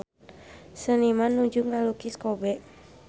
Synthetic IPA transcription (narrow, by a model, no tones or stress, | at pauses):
sənimanːuɲd͡ʒuŋalukiskɔbɛʔ